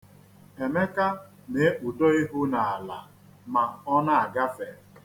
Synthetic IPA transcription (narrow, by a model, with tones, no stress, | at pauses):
e˨me˦ka˦ | ne˨˦ʔu˨do˦i˦ɦu˦na˨a˨la˨ | ma˨ɔ˦na˦a˨ɡa˦fe˨